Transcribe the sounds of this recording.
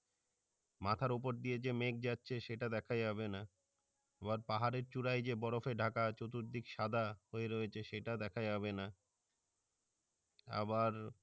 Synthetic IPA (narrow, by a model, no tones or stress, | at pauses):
mat̪ʰaɾup̬oɾd̪ied͡ʑemek̚d͡ʑatːɕʰeʃeʈad̪ɛkʰajabena | ebaɾpaɦaɾeɾt͡ɕuɽajd͡ʑebɔɾofeɖʱakat͡ɕot̪uɾd̪ikʃad̪ʱahoeɾoet͡ɕʰeʃeʈad̪ɛkʰajaβena | a̰baɾ